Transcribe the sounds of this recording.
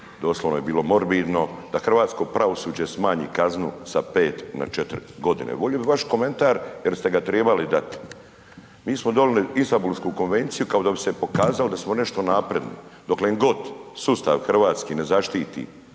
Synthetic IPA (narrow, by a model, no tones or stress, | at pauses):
d̪o̞ːsloʋnoje̞biːlo̞mo̞ɾbiːd̪no̞d̪axr̩ʋaːt̪sko̞pɾaʋo̞suːd͡ʑesmaːɲḭːkaznṵsapeːt̪na̰t͡ʃet̪ɾiɡo̞d̪ḭnḛʋoʎobiʋaʃko̞me̞nt̪aːɾjeɾst̪e̞ɡat̪ɾeːbalid̪at̪i̥ | miːsmod̪oliliinst̪ambulskuko̞nʋe̞nt̪sijukao̞d̪abise̞po̞kaːzalod̪asmone̞ʃt̪o̞naːpɾe̞d̪nḭd̪okleŋɡo̞t̪sust̪a̰ʋxr̩ʋaːt̪skiːne̞zaʃt̪iːt̪ḭ